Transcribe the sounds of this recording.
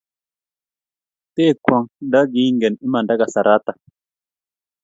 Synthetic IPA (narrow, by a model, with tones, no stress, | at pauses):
te˦˨kwa˨ŋda˦ɡi˦ŋɡɛ˨ni˦ma˨nda˦ɡa˨sa˨ɾʔa˦ta˨